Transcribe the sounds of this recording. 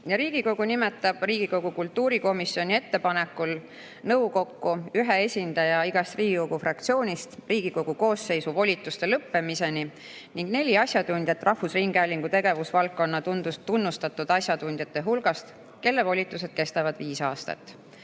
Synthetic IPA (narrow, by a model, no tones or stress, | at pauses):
jɑɾiːɡ̥iko̞ɡ̥unimet̪ːˑɑb̥riːɡ̥iko̞ɡ̥ukult̪ːuːɾiko̞misio̞nʲie̞t̪ːe̞pɑne̞kːul | nɤwko̞kːuyɦee̞sʲind̪̥ɑjɑiɡ̥ɑst̪riːɡ̥iko̞ɡ̥ufrɑk̚t̪sio̞ːnʲist̪riːɡ̥iko̞ɡ̥uko̞ːsːe̞jsuvo̞lʲit̪ːˑust̪e̞lɤpːe̞mise̞ni | niŋɡ̥ne̞lʲiɑsjɑd̪unʲd̪̥ʲjɑt̪ːˑrʔɑhːusriŋɡ̥eælʲiŋɡ̥ut̪e̞ɡ̥e̞vusvɑlkːo̞nːɑt̪und̪ust̪ːunːust̪ɑt̪ːˑud̪̥ɑsjɑd̪unʲd̪̥jɑt̪ːˑe̞ɦulɡ̥ɑst̪ | ke̞lːe̞vo̞lʲit̪ːˑuse̞d̪̥ke̞st̪ɑvɑd̪̥viːsɑːst̪ɑ̰t̪ːˑ